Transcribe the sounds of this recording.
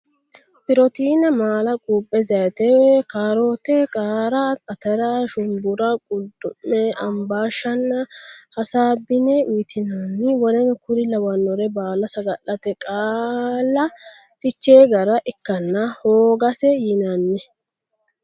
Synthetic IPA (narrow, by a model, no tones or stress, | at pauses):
pɪɾɔt̪iːnɛmaːlɐkʼuːpʼːɛzɐjɛt̪ɛwɛkaːɾoːt̪ɛkʼaːɾaɐt̪ɐɾaʃʊmbʊɾɐɡʼʊlt̪ʼʊmːɛɐmbaːʃɐnːɐhɐsaːbɪnɛʔʊjɪt̪ɪnaːnːɪwɔlɛnkʊɾɪlɐwɐnːɔɾɛbaːlɐsɐɡɐʔːɐt̪ɛkʼaːlːɐ | fɪt͡ʃːeːɡɐɾɐʔɪkːɐnːɐhoːɡɐsɛjɪnɐnːɛ